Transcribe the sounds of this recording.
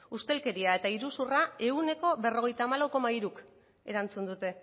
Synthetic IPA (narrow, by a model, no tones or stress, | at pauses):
ust̪e̞lke̞ɾiae̞t̪aiɾusurae̞une̞ko̞βe̞ro̞ɣ̞e̞jt̪aːmalawko̞maiɾuk | e̞̰ɾant͡sund̪ut̪e̞